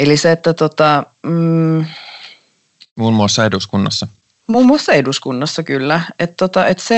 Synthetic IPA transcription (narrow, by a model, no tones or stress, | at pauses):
eliseet̪ːæt̪ot̪ɑ | muːmːuɑsːɑeduskunːɑsːɑ | muːmːuɑsːɑeduskunːɑsːɑkylːæet̪t̪ːot̪ɑʔet̪se